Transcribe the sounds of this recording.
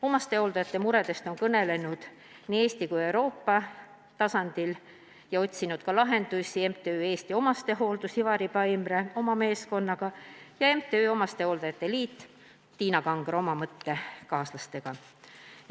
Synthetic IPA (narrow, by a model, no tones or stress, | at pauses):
o̞mɑst̪e̞o̞ld̪ɑjɑt̪ːˑe̞muɾe̞d̪e̞st̪o̞nkɤne̞le̞nud̪̥ | niːe̞ːst̪ikuje̞wɾo̞ːpːɑ | t̪ɑsɑnd̪̥il | jɑo̞t̪ʲsinud̪̥̚kɑlɑɦe̞nd̪̥usʲie̞mt̪eøːe̞ːst̪io̞mɑst̪e̞ɦo̞ːld̪usivɑɾipɑimreo̞mɑme̞ːsko̞nːɑɡ̥ɑjɑe̞mt̪eøːo̞mɑst̪e̞ho̞ld̪ɑjɑt̪ˑːe̞liːt̪ː | iːnɑkɑŋɡ̥ro̞mɑmɤt̪ːe̞kɑːslɑst̪e̞ɡ̥ɑ